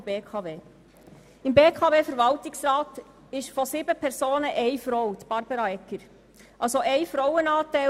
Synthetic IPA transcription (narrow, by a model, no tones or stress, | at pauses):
b̥eːkʰɑːveː | ɪmbeːkʰɑːveːfəɾvɑlt̪ɪksɾɑːt | ɪʃfɔsiːbəpʰɛɾsoːnəʔɛɪfɾɔwt̪b̥ɑɾb̥əɾɑɛkːəɾ | ʔɑlsoʔɛɪfɾɔwənɑːt̪æ